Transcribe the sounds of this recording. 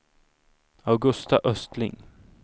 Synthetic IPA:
awɡɵst̪aʔœst̪lɪ̰ŋ

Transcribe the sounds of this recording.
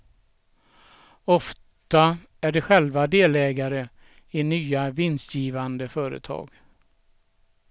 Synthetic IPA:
ɔf | t̪a | æɖɛɧɛlvad̪eːlɛːɡaɾə | ɪnyːavɪnsjiːvand̪əfœːɾə̰t̪ʰɑ̰ːɡ

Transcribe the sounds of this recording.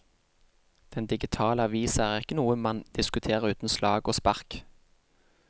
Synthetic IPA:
d̪̥ɛnd̪ɪɡɪt̪ʰɑːləɑʋiːsæʁɪkːənuːəmɑnd̪̥ɪskʉt̪ʰeːʁəʉːt̪n̩slɑ̰ːɡoːspɑʁk

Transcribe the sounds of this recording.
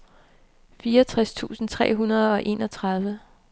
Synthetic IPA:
fiːɐɒt͡sʰʁast͡sʰṵːsn̩t͡sʰʁɛ̰ːɦunɐð̞ˠɒ̽ʔe̝̰ːnɒ̽t͡sʰʁɑ̈ð̞ˠʋə

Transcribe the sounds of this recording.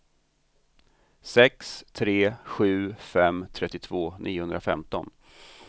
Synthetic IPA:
sɛkst̪ʰɾeːɧʉ̟ːfɛmt̪ʰɾɛt̪ːɪt̪ʰvoːnʔiːʊhɵnd̪ɾafɛ̰mt̪ɔn

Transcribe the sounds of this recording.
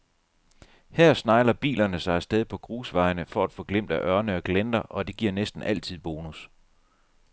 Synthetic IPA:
hæɐ̰snɑ̈ɪlɐb̥ḭːlɐnəsɑ̈ɪsd̥eð̞ˠpʰɒ̽ɡ̥ʁuːsʋɑ̈ɪnəfɒ̽æd̥fɔ̽ːɡ̥lem̰d̥æʔœɐnəɒ̽ɡ̥lend̥ɐʔɒ̽d̥e̝ɡ̥iɐ̰nesd̥n̩ʔæl̰t͡sʰið̰ˠb̥o̝ːnus

